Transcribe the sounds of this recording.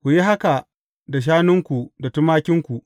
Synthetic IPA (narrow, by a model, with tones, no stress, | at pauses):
kʷu˨ji˦ɦa˦ka˨ | da˨ʃ̬aː˦nʊ˦ŋkʷu˨da˨tʊ˦maː˦kʲɪ˦ŋkʷu˨ʔ